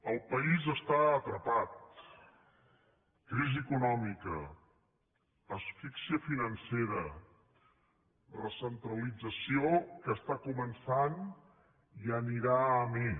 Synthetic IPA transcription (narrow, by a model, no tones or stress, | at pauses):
əlˠpəizəst̪aət̪ɾəpat̪̚ | kɾiziəkunɔmikə | əsfiksiəfinənseɾə | rəsənt̪ɾəlid͡zəsiokəst̪akumənsan | iəniɾaəme